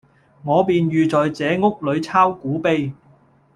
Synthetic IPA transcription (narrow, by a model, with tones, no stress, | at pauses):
ŋɔː˨˧piː˨nɥyː˨t͡sɔː˨jt͡sɛː˨˧ŋʊ˥k̚lɵ˨˧ɥt͡sʰaː˥wkuː˨˥pe˧j